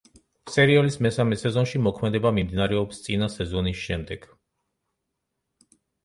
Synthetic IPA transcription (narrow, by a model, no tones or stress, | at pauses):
sɛɾiɔlismɛsamɛsɛzɔnʃimɔkʰmɛd̪ɛbamimd̪inaɾɛɔpst̪sʼinasɛzɔnisʃɛmd̪ɛɡ̥